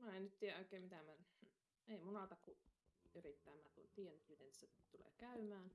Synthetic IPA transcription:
mæˑennyt̪t̪iːjæoˑekːˑeˑːmmit̪æmæn | eˑimunɑt̪ɑkuyrit̪ːæˑemæt̪ṵt̪iːjænːyt̪mit̪enisæt̪ulḛˑːkæˑymæːn

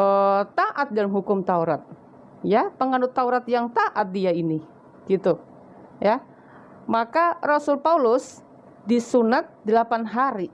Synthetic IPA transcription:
ət̪aʔat̪̚dalamɦukʊmt̪auɾat̪̚ | japəŋanʊt̪ːauɾat̪jaŋt̪aʔat̪̚diaini | ɡ̥it̪u | ja | makarosʊlpaulʊs | disunat̪̚dəlapanɦaɾi

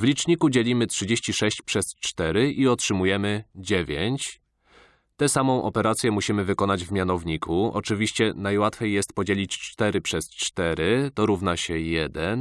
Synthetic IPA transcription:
vlʲit͡ʂɲikud͡ʑelʲimɘtʂɘd͡ʑeɕt͡ɕiʂɛɕt͡ɕpʂɛst͡ʂt̪ɛɾɘʔiɔtʂɘmujɛmɘd͡ʑevʲeɲt͡ɕ | t̪ɛsamɔ̃w̃ʔɔ̰pɛɾat̪sʲjɛmuɕimɘvɘkɔnad͡ʑvmʲjanɔvɲikʰuʔɔ̰t͡ʂɘvʲiɕt͡ɕɛnajwat̪fʲejːɛst̪̚pɔd͡ʑelʲit͡ɕt͡ʂt̪ɛɾɘpʂɛst͡ʂt̪ɛɾɘt̪ɔɾuvnaɕɛjɛd̪ɛn

